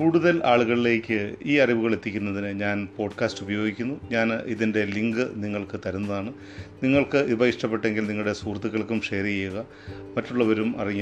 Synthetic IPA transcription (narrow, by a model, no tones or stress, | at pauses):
kuːɽuðɐlaːɭuɣɐɭile̞ːkʲːɨiːɐriʋuɣɐɭe̞t̪ːikʲːunːɐðinɨɲaːnpo̞ːɖkaːstubɐjo̞ːɡikʲːunːuɲaːniðinde̞liŋɡɨniŋːɐɭkɨt̪ɐɾunːɐðaːɳɨ | niŋːɐɭkɨʔibɐiʂʈɐpːeʈːe̞ŋɡilniŋːɭuɽe̞suːrt̪ːuɣːɐɭkːumʂeːrijejuɣɐ | mɐtːuɭːɐʋɐɾumɐ̰riŋː